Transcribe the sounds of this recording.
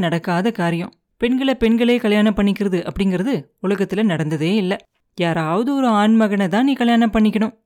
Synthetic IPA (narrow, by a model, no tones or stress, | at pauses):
nɐɽɐkːaːðɐkaːɾɪjɐ̃m | pɛɳɡɐɭɐpɛɳɡɐɭeːkɐɭjaːnɐmpːɐɳːɪkʲːɪɾɐðɯʔɐpːɐɽɪŋɡɪɾɐðɯʊɭɐɣɐt̪ːɪlɐnɐɽɐnd̪ɐðeːɪlːɐ | jaːɾaːʋɐðɯɔɾɯaːɳmɐɣɐnɐt̪ãːniːkɐɭjaːnɐmpːɐɳːɪkʲːɐɳɯ̃m